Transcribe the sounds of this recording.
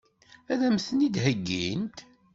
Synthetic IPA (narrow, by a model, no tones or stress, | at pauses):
æðæmθənid̪ɦəɡːint̪